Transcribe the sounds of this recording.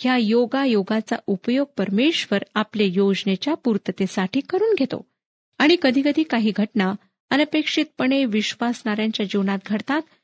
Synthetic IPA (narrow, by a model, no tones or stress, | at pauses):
hjajoɡajoɡat͡sa̰upəjoɡ̚pəɾmeɕʋəɾaplejod͡znet͡ɕjapuɾt̪ət̪esaʈiːkəɾuːnɡʱet̪o̰ | aɽ̃ikəd̪ʱiːkəd̪ʱiːkaɦiːɡʱəʈna | ənəpekʂit̪̚pəɳ̃eʋiɕʋasɳaɾjaɲt͡ɕjad͡ʑiʋnat̪̚ɡʱəɽt̪at̪